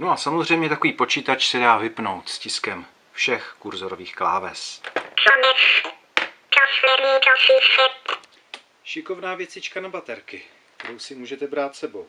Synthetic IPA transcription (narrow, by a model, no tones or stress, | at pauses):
noasamozr̝ɛjmɲɛt̪akoviːpo̞t͡ʃiːt̪at͡ʃsɛdaːvɪpno̞wt̪scɪskɛm | fʃɛxkuɾzoɾoviːxklaːvɛ̰st͡ʃanɪx | t͡ʃasnɛɾɲiːdasiːsɪp | ʃɪko̞vnaːvjɛt͡sɪt͡ʃkanabat̪ɛɾkɪ | kt̪ɛɾowsɪmuːʒɛt̪ɛbɾaːt̪sɛbow